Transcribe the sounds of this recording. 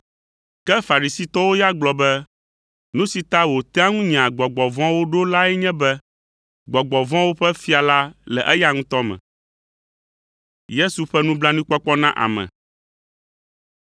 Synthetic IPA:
kɛ˦fa˨ɾi˨si˦t̪ɔ˦wo˦ja˦ɡ͡blɔ˨bɛ˦ | nũ˦si˨t̪a˦wo˨t̪ɛ˦a˦ŋũ˦ɲĩ˨ã˨ɡ͡bɔ˨ɡ͡bɔ˨vɔ̃˦wo˦ɖo˦la˦ɛ˦ɲɛ̃˦bɛ˦ | ɡ͡bɔ˨ɡ͡bɔ˨vɔ̃˦wo˦ɸɛ˦fi˦a˨la˦lɛ̰˨ʔɛ˦ja˦ŋũ˦t̪ɔ˦mɛ̰̃˨ | je˦su˨ɸɛ˦nũ˦blã˦nũ˦k͡pɔ˦k͡pɔ˦nã˦ʔa̰˨mɛ̰̃˨

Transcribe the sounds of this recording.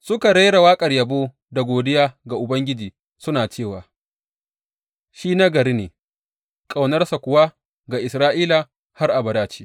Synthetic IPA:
sʊ˦ka˨ɽe˦ɽa˨waː˦kʼɐ˨rjɐ˨boː˦ | da˨ɡʷoː˨dɪ˦jaː˦ɡa˨ʔʊ˨bɐ˦ŋɡʲɪ˦d͡ʒiː˨ | sʊ˦naː˨t͡ʃeː˦˨waː˨ | ʃiː˦na˦ɡɐ˨ɾi˦neː˨ | kʼa˨wnɐ˦rsa˨kʷʊ˨wa˦ | ɡa˨ʔɪ˨sɾaː˦ʔiː˦la˨ | ha˦rʔa˨bɐ˨daː˦t͡ʃi̥ː˦

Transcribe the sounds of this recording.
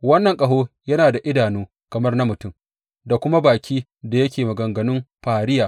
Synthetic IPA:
wɐ˦nːɐ˨ŋkʼɐ˨ɦoː˦jɐ˦naː˨da˨ʔɪ˦daː˨nuː˦ | kɐ˨mɐ˦rna˦mʊ˨tʊ˦m | da˨kʷʊ˦ma˦baː˨kʲʰiː˦ | da˨jɐ˦kʲeː˨mɐ˨ɡɐ˨ŋɡɐ˨nʊ˦mɸaː˨ɽɪ˦jaː˨

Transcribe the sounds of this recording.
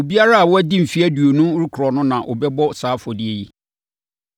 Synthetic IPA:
o˨bi˦a˦ɾa˦a˨wɔ˦æ˦dĩ˦m̩˨fi˦æ˦du˨o˨nũ˦ɾu˦kʰɾɔ˨nʊ̃˦nã˨ʔʊ̰˨bɛ˦bɔ˦saː˦fɔ˨di˦e˦˨ji˦

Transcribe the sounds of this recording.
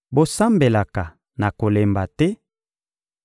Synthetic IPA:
bo˦sa˦mbe˨la˨ka˨ | na˨ko˨le˨mba˨tɛ˦

